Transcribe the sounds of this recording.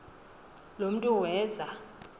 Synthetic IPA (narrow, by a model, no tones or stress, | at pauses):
lom̩tʼuwɛːza